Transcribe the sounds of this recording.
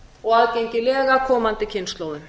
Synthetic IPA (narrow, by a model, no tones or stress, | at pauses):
ɔɣaðceɲcɪlɛːɣakʰɔːmant̪ɪcʰɪnst̪lowðɪn